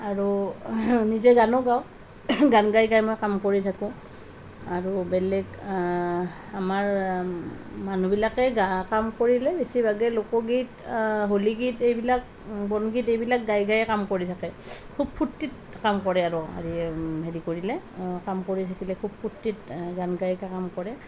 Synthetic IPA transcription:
aɹu | nizɛɡanɔɡaw | ɡanɡajɡajmojkamkoɹitʰakʊ̃ | aɹubɛlɛɡ | amaɹ | manubilakɛɡakamkoɹilɛbesibʱaɡɛlokɔɡitɦoliɡitejbilak̚ | bɔnɡitejbilak̚ɡajɡajɛkamkoɹitʰakɛkʰub̚pʰutːit̚ | kamkɔɹɛaɹua̰ɹiɦeɹikoɹilɛkamkoɹitʰakilɛkʰub̚pʰutːit̚ɡanɡajkakamkɔɹɛ

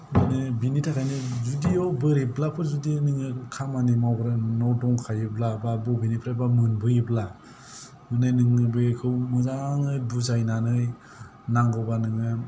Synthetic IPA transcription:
mɯnɯbinitʰakʰajnizudiɔwbɯɾiblapʰɯzudinɯŋɯkʰamanimawbɾanɔdɔŋkʰajɯblababɔbinipʰɾabamɯnbɯjɯbla | mɯnɯjnɯŋɯbɯkʰɯwmɯzaŋɯjbuzajnanɯj | naŋɡɔwbanɯŋɯ

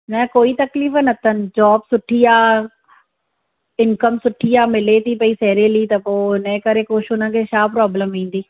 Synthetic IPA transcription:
mɛ̃ːkoːit̪ɐkliːfnɐt̪ʰənɪ̆d͡ʑɔːbsʊʈʰiaː | ɪnkəmsʊʈʰiaːmɪlet̪ʰipɐisɛːɾelit̪ɐpoːɪnə̃kɐɾekoːʃʊnə̃kʰeːʃʰaːpɾɔːbləmʋĩːn̆d̪iː

